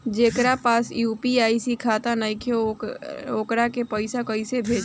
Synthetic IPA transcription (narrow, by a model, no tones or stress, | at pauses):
d͡ʒeːkɾapaːsjuːpiaːisikʰaːt̪anakʰe | oːkɾakepəɪsakəisebʱeːd͡ʒ